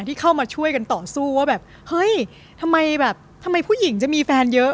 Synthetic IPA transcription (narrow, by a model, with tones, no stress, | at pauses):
t̪ʰiː˥˩kʰa˥˩wmaː˧t͡ɕʰu˥˩əjka˧nt̪ɔː˨˩suː˥˩waː˥˩bɛː˨˩p̚ | hɤ˦˥˩j | t̪ʰa˧mːa˧jbɛː˨˩p̚t̪ʰa˧mːa˧jpʰuː˥˩ji˩˦ŋt͡ɕa˨˩ʔmiː˧fɛː˧njɤ˦˥